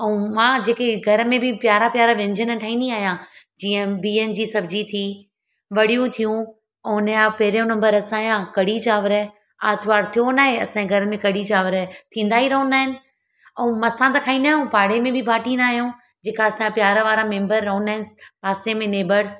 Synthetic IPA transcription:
ɐũmãːd͡ʑeːkeɡʱɐɾəmẽbʱɪpjaːɾapjaːɾaʋẽɲd͡ʑʱənəʈʰaːĩːnd̪iaːɦijãd͡ʑiːə̃biːənɪ̆d͡ʑiːsɐbd͡ʑit̪ʰi | ʋɐɽijũt̪ʰijũ | ʊnaːpɐɦɪɾijõnɐ̃mbəɾɐsãːijãkɐɽit͡ɕaːʋəɾ | aːt̪ʰʋaːɾt̪ʰijonaːɦeɐ̰sãeɡʱɐɾəmẽkɐɽit͡ɕaːʋəɾt̪ʰĩːn̆d̪aːɦiɾɐɦʊ̃naːɦɪnɪ̆ | ɛũmɐsãt̪ɐkʰaːĩnd̪aːɦɪjũpaːɽemẽbʱɪbʱaːʈinaːɦijõ | d͡ʑeːkaɐsãpjaːɾʋaːɾamẽːmbəɾːɐɦʊ̃naːɦɪnɪpaːsẽmẽneːbəɾs

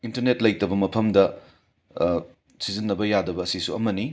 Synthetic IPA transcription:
intɐɾnetlɐjtɐbɐmɐpʰɐmdɐ | sizinːɐbɐjadɐbɐːsisuɐmɐni

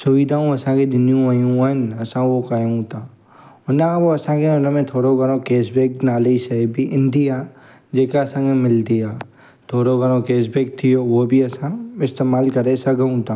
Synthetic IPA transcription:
sʊʋɪd̪ʱaːũɐsãkeɗ̪ɪnijũʋɐjũʋənɐsãʋokajeũt̪aː | ʊnaʋoɐsãkeʊnmẽt̪ʰoːɽoɡʱɐɾõkeːsbeːknaːleisɐbʱiʔɪ̃nd̪ia | d͡ʒeːkaɐsãkẽmɪlt̪iaː | t̪ʰoːɽoɡʱɐɾõkeːs̬beːk̚t̪ʰijoʋobʱiɐsãɪst̪eːmaːlkɐɾesɐɡəũt̪aː

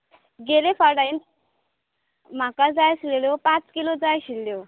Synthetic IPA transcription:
ɡelefaɾɖain | m̤akad͡zajɕileljopãt͡skilod͡zajɕilːjo

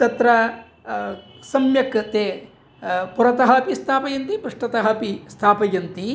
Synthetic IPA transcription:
t̪ɐt̪ɾɐ | sɐmjɐkt̪eː | puɾɐt̪ɐɦɐpist̪ʰaːpɐjɐnt̪ipɾɐʂʈɐt̪ɐɦɐpist̪ʰaːpɐjɐnt̪i

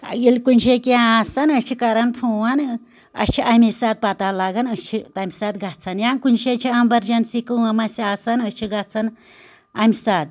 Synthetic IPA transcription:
ilkunɕekʲiãasanət͡ʃʰikaɾanpʰuwan | ɐ̰t͡ʃʰiʔamisat̪̚pat̪alaɡanət͡ʃʰit̪amʲsat̪ɡʱat͡sʰanjankunʃet͡ʃʰiɐmbɐɾd͡ʒɐnsikuwamasiasanət͡ʃʰiɡat͡sʰan | amʲsat̪̚

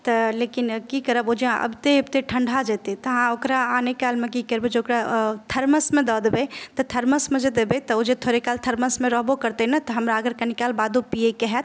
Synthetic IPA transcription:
t̪ɐleːkinkikəɾəbod͡ʒeʔɐ̰bt̪eɐbt̪eʈʰəɳɖʱad͡ʒɛːt̪et̪ɐɦãokɾaaːnekaːlmẽkikəɾbed͡ʒeokɾat̪ʰɐɾməsmẽd̪ɔd̪bet̪ɔt̪ʰɐɾməsmẽd͡ʒed̪ebet̪ɔod͡ʒet̪ʰoːɾekaːlt̪ʰɐɾməsmẽɾɔɦbokɐɾt̪eɦnat̪ɔɦɐmɾaəɡəɾkɐnikaːlbaːd̪ʱupiekeɦɛt̪

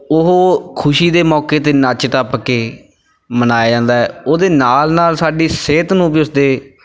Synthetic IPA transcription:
ʊɦkʰʊʃiːd̪eːmɔːkeːt̪eːnat͡ʃʈaːpkeː | mənaːjaːd͡ʒãːnd̪aːɦɛ̰ːoːd̪eːnaːlnaːlsaːɖiːseːt̪nũːbiːʊsd̪eː

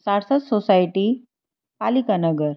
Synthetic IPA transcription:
saɽsət̪sosajʈi | palikanəɡəɾ

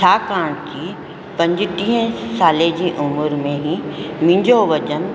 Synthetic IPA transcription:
aːkãːɽ̃t͡ɕiː | pɐ̃ɲd͡ʑɪt̪ĩːɦə̃saːled͡ʑiːʔʊmʊɾmẽɦĩmɪ̃ɲd͡ʑoʋɐd͡ʑən

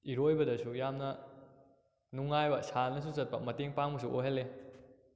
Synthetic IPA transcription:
iɾojbɐdɐsujamnɐ | nuŋajbɐsanɐs̬uzɐt̚pɐmɐteŋpaŋbɐs̬uʔoɦelːe

